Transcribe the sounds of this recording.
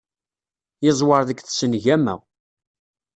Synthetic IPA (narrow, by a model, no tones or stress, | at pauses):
jɪzˤwɑɾðəkθsənʝæmæ̰